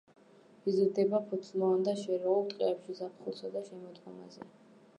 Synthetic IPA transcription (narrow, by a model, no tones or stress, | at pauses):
izuɾd̪ɛbapʰɔt̪sʰʼmɔand̪aʃɛɾɔɔlˠt̪ʼqʼɛɛpʃizap̚ʰχulˠsad̪aʃɛmɔd̪kʼɔma̰zɛ